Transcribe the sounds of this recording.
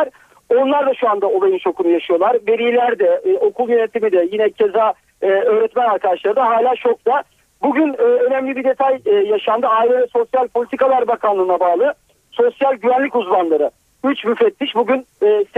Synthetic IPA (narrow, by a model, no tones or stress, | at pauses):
ɾ̥ | o̞nlˠaɾd̪aʃuand̪ao̞lˠajɯnt͡ʃʰo̞kʰunujaʃɯjo̞lˠaɾve̞ɾijlʲæɾd̪ɛo̞kʰulˠjenet̪ʰimid̪ɛjinɛcʰezaː | ø̞ːɾɛt̪mænaɾkʰad̪aʃlˠaɾɯd̪aɦaːlʲaːt͡ʃʰo̞k̚t̪a | buɟynɛːø̞næmlʲibid̪e̞t̪ʰajːaʃand̪ɯaːilʲɛvɛso̞sjalʲpʰolʲit̪ʰikalˠaɾbakʰanlˠɯːnabaːlˠɯ | so̞sjalʲɟyvænlʲicuzmanlˠaɾɯ | yt͡ʃmyfɛt̪ʰːiʃbuɟʲynːs